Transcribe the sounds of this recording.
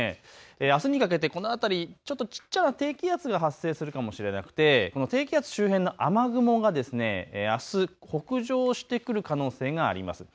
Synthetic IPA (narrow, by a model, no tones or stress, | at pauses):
eeːasɨɲ̟ikak̬e̞t̪e̞ko̞no̞at̪aɾʲit͡ɕo̞t̪ːot͡ɕi̥t͡ɕːanat̪e̞ːkʲijat͡sɨɡaɦasːe̞ːsɨɾɯ̟kamo̞ɕiɾe̞na̰kɯ̟̥t̪e̞ko̞no̞t̪e̞ːkʲijat͡sɨ̥ɕɨːɦẽ̞nːo̞ʔamaɡɯ̟mo̞ɡad̪e̞sɨne̞̰asɨho̞kɯ̟ʑo̞ːɕi̥t̪e̞kɯ̟ɾɯ̟kano̞ːse̞ːɡa̰ːɾʲḭma̰sɨ̥